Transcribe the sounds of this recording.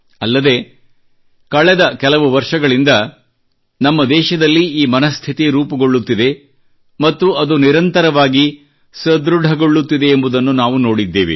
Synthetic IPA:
ɐlːɐd̪e̞ | kɐɭɛd̪ɐkɛlɐʋuʋɐɾʂɐɡɐɭind̪ɐ | nɐmːɐd̪ɛːʃɐd̪ɐlːiiːmɐnɐst̪ʰit̪iɾuːpɐɡo̞ɭːut̪ːid̪e̞ | mɐt̪ːuʔɐd̪uniɾɐnt̪ɐɾɐʋaːɡi | sɐd̪ɾuɖʱɐɡo̞ɭːut̪ːid̪e̞ːmbud̪ɐnːunaːʋuno̞ːɽid̪ːḛːʋḭ

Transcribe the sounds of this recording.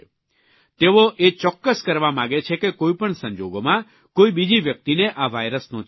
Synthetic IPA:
t̪eʋoʔet͡ʃɔkːəskəɾʋamãɡet͡ʃʰekekoipəɳsə̃ɲd͡ʒoɡomã | koibid͡ʒiʋjək̚t̪ineʔaʋajɾəsnõ

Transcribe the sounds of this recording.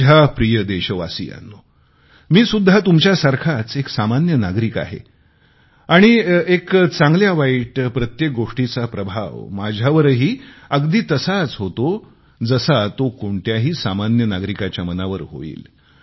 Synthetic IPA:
apɾijəd̪eɕəʋasḭa̰nːo | miːsud̪ʱat̪umt͡ɕjasaɾkʰat͡seksamanjənaɡɾika̰ɦḛ | aɽ̃iekt͡sãŋɡljaʋaiːʈpɾət̪jek̚ɡoʂʈit͡sapɾəbʱa̰ʋmad͡ʑʱaʋəɾɦiːəɡd̪iːt̪əsat͡sɦot̪o | d͡zəsat̪okoɳʈjaɦiːsamanjənaɡɾikat͡ɕjamənaʋəɾɦo̰ḭːl

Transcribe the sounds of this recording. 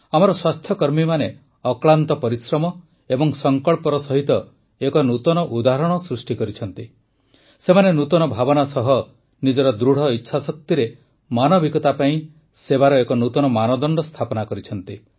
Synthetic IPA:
amɔɾɔswast̪ʰjɔkɔɾmimane | ɔkɭant̪ɔpɔɾisɾɔmɔ | ebɔŋsɔŋkɔɭpɔɾɔsɔɦit̪ɔ | ekɔnut̪ɔnɔʔud̪aɦɾɔɽ̃ɔsɾusʈikɔɾit͡ʃʰɔnt̪i | semanenut̪ɔnɔbʱabɔnasɔɦɔ | nid͡ʒɔɾɔd̪ɾuɽ̤ɔitːʃʰasɔk̚t̪iɾe | manɔbikɔt̪apaĩ | sebaɾɔekɔnut̪ɔnɔmanɔd̪ɔɳɖɔst̪ʰapɔnakɔɾit͡ʃʰɔnt̪i

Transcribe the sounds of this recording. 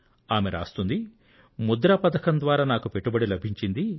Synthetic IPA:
aːmeɾa̰ːst̪und̪i | mud̪ɾɐpɐd̪ɐkɐnd̪ʋaːɾaːnaːkupeʈːubɐɽilɐbʱiɲt͡ʃind̪i

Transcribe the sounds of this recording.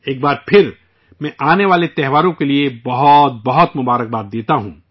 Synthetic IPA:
eːk̚baːɾpʰɪɾ | mɛ̃ʔaːneʋaːlet̪ɛɦʋaːɾõkeliebɐɦɔt̪̚bɐɦɔt̪mʊbaːɾək̚baːd̪̚d̪eːt̪aɦũː

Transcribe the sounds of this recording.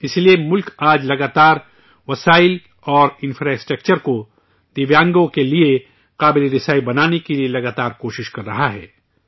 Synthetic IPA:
ɪsliemʊlkaːd͡ʒlɐɡaːt̪aːɾ | ʋɐsaːɪl | ɔːɾɪ̃nfɾaːɪsʈɾɐk̚t͡ʃəɾko | d̪̥ɪʋjãːŋɡõkelie | qaːbɪleɾɪsaːibɐnaːnekelielɐɡaːt̪aːɾkoːʃɪʃkɐɾːɐɦaɦɛ̰ː

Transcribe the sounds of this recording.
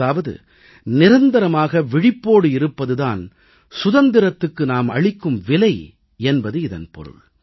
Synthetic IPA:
aːʋɐðɯ̰ | nɪɾɐnd̪ɐɾɐmaːɣɐʋɪɽɪpːoːɽɯɪɾɯpːɐðɯðaːn | sʊðɐnd̪ɪɾɐt̪ːɯkːɯnaːmɐ̰ɻɪkːɯmʋɪlɐɪ | ɛnbɐðɯɪðɐnpɔ̰ɾɯ̰ɭ

